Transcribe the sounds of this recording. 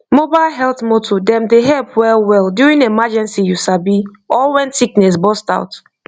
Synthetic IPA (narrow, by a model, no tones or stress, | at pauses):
mobaɪlɦɛlˠtmotʰodɛ̃mdeɦɛlpwɛlwɛlˠdjuɹĩŋemad͡ʒɛ̃nsijusabi | ɔlwɛ̃nsiknɛs̬bɔstaʊt